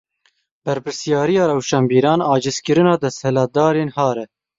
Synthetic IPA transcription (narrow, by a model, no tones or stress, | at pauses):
b̥ɛɾpʰɨɾsijɑːɾijɑːɾɛwʃɑːmbiːɾɑːnɑːd͡ʒɨskɨɾɨnɑːd̪ɛst̪hɛlɑːd̪ɑːɾeːnhɑːɾɛ